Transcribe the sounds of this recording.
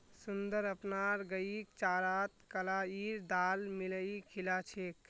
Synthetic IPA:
sund̪əɾəpnaɾɡəik̚t͡ʃaɾat̪kəlaiɾd̪almiləikʰilat͡ʃʰek

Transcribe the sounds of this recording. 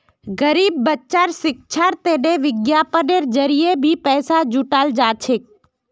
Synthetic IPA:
ɡəɾiːbːətːʃaɾsɪk̚t͡ʃʰaɾt̪eːɗeʋɪɡjapəneɾd͡ʒəɾijebʱipɛːsad͡ʒuʈaːld͡ʒaːt͡ʃʰɪk̚

